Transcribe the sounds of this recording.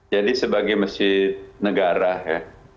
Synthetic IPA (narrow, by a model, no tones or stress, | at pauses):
d͡ʒalisebaːɡimɐsiːd̪̚nɐɡaːɾaɦɛː